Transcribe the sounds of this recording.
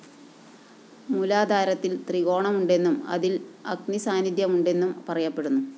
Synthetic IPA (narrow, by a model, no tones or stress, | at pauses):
mulaːd̪ʱaːɾɐt̪ːilt̪riɣo̞ːɳɐmuɳɖe̞nːumɐ̰ðilɐ̰k̚nisaːnidjɐmuɳɖe̞nːumpɐrɐjɐpːe̞ɽunːu